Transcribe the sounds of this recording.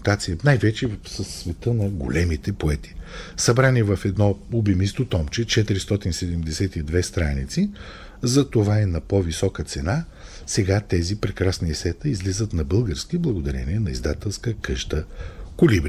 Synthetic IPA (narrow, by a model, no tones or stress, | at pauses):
t̪at̪sijənajvɛt͡ʃɛsəsːvɛt̪ənɐɡo̰lɛmit̪ɛpoɛt̪i̥sɐbɾaniɛvɐfɛd̪nɔlubimist̪ot̪ɔmt͡ʃɛt͡ʃɛt̪iɾist̪ɔt̪insɛd̪ɛmd̪ɛsɛt̪id̪vɛst̪ɾanit̪si | zɐt̪ovainɐpovisɔkət̪sɛna | sɛɡat̪ɛzipɾɛkɾasniɛsɛt̪əizlizət̪nɐbɤlˠɡəɾskiblˠɐɡod̪ɐɾɛ̰niɛnɐizd̪at̪ɛlˠskəkɤʃt̪əkolibɾ